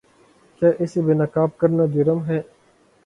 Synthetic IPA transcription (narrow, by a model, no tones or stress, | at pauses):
t͡ʃeːʔɪsibeːnakaːb̚kəɾnaːd͡ʒɪɾəmɦɛː